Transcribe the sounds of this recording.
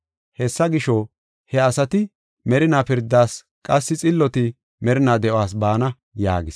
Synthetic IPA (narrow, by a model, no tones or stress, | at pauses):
hɛsːɐɡɪʃɔ | hɛɐsɐt̪ɪ | mɛɾɪnaːpɪɾd̪ːaːs | kʼɐsːɪt͡sʼɪlːɔt̪ɪ | mɛɾɪnaːd̪ɛʔwaːs̬baːnɐ | ja̰ːɡɪs